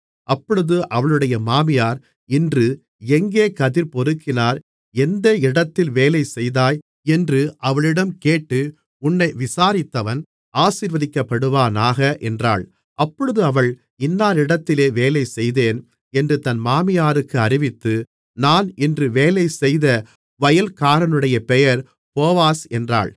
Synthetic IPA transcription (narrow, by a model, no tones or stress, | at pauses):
ʔɐpːɔɻɯðɯʔɐʋɐɭɯɽɐjɐmaːmɪjaːɾ | ɪndrɯ | ɛŋɡeːkɐðɪɾpɔɾɯkːɪnaːɾ | ɛnd̪ɐɪɽɐt̪ːɪlʋeːlɐɪsɛjðaːj | ɛndrɯʔɐʋɐɭɪɽɐmkeːʈːɯ | ʊnːɐɪʋɪsaːɾɪt̪ːɐʋɐn | ʔaːsiːɾʋɐðɪkːɐpːɐɽɯʋaːnaːɣɐʔɛndra̰ːɭ | ʔɐpːɔɻɯðɯɐʋɐɭ | ɪnːaːɾɪɽɐt̪ːɪleːʋeːlɐɪsɛjðeːn | ɛndrɯt̪ɐnmaːmɪjaːɾɯkːɯɐɾɪʋɪt̪ːɯ | naːnɪndrɯʋeːlɐɪsɛjðɐ | ʋɐjɐlkaːɾɐnɯɽɐjɐpɛjɐɾ | poːʋaːsɛndra̰ːɭ